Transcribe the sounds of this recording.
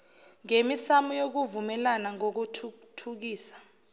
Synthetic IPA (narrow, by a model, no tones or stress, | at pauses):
ŋemisamujok̬uvumɛlanaŋok̬utʰ | tʰuk̬iːsḁ